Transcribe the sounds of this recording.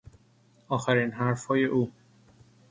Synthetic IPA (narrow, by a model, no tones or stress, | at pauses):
ɒːxæɾiːnɦæɾfɒːje̞ʔuː